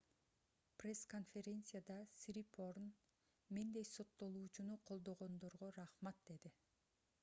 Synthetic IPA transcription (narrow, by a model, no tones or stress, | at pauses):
prʲe̞sko̞nfʲe̞ɾʲe̞nt̪sɨjad̪ɑsɾipʰorn | mend̪e̞jso̞t̪ːo̞lˠuːt͡ʃunuqʰo̞lˠd̪o̞ʁo̞nd̪o̞ɾʁoɾɑχmɑt̪̚d̪e̞d̪i